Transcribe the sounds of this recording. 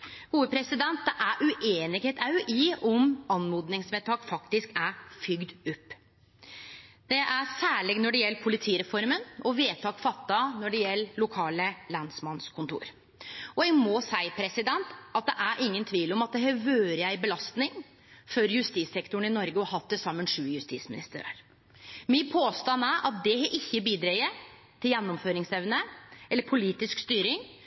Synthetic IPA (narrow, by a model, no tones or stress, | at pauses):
ɡuːəpʰɾɛsɪd̪ɛnt̪̚d̪ɛʔæɾʔʉʔeːnɪɡheːt̪ʰɑʉʔiɔmɑnːmuːd̪nɪŋsmeːt̪ʰɑːkfɑkt̪ɪskæfʏɡd̪ʉpː | d̪̥ɛʔæsæːɭɪɡnɔɖɛjɛlːəpʰʊlɪt̪ʰiːɾɛfɔɾmənɔʋeːt̪ʰɑːkfɑt̪ːɑnɔɖɛjɛlːlʊkʰɑːləlɑnsmɑnskʰʊnt̪ʰṵːɾ | ɔɛɡmɔsæɪpʰɾɛsɪd̪ɛnt̪ʔɑt̪̚d̪ɛʔæɾʔɪŋːənt̪ʰʋiːlɔmɑt̪̚d̪ɛhæɾʋøːɾjæɪbəlɑst̪nɪŋ | fœɾjʉst̪iːsɛkt̪ʊɳɪnɔɾɡəɔɦɑt̪̚d̪ɛsɑmːənʂʉːjʉst̪ḭːsmɪnɪ̰st̪əɾə̰ɾ | mɪpʰoːst̪ɑnːæɾʔɑt̪̚d̪ɛhɛʔɪçːəbiːd̪ɾɛʏə | t̪ʰɪljɛnːɔmføːɾɪŋsɛʋnəɛlːəɾpʰʊliːt̪ɪskst̪yːɾɪŋ